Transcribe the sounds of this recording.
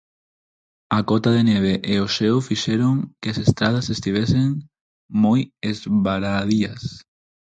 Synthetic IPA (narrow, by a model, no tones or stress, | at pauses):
akɔt̪aðeneβeʔeoʃewfiʃeɾoŋkɪasest̪ɾað̞ɐsest̪iβ̞eseŋ | mojezβaɾaðiɐs